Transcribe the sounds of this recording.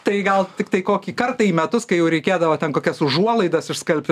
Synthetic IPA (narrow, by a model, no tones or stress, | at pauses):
t̪ɐɪɡɐlˠt̪ʲɪk̚t̪ɐɪkoːkʲiːkɐrt̪ɐiːmʲɛt̪ʊskɐɪjɛʊɾʲɛɪkʲeːd̪ɐʋoːt̪ʲɛnkoːkʲɛsʊʒuɔlˠɐɪd̪ɐsɪʃskɐlʲpʲɪ